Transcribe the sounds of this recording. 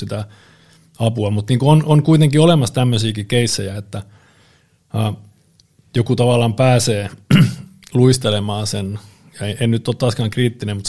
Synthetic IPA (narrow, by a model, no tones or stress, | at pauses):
it̪æ | ɑpuɑmut̪niːŋkoonoŋkuit̪eŋkiolemɑst̪æmːøsiːkikeisːejæet̪ːæ | ɑː | jokut̪ɑʋɑlːˑɑːmpæːseː | luist̪elemɑːsen | jɑeennyt̪ːoːt̪t̪ɑːskɑːŋkriːt̪ːinemut̪